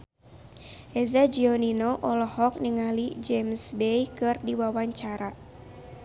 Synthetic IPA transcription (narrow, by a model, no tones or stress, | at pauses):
ʔezad͡ʒiɔninoʔɔlɔhɔk̚niŋalid͡ʒɛmsbejkɨrdiwawaɲt͡ʃaɾa